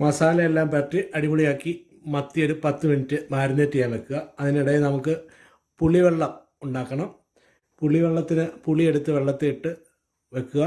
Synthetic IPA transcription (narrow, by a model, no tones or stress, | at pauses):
mɐsaːlɐelːaːmpɐʈriʔɐɽimuɽijaːkːi | mɐt̪ːio̞ɾupɐt̪ːɨminitːɨmaːɾinetːijaːnʋe̞kːuɣɐɐðiniɽɐjinɐmukːɨ | puɭːiʋe̞ɭːɐm | uɳɖaːkːɐɳɐm | puɭːiʋe̞ɭːɐt̪ːinɨpuɭie̞ɽut̪ːɨʋe̞ɭːɐt̪ːeiʈːɨ | ʋekːuɣɐ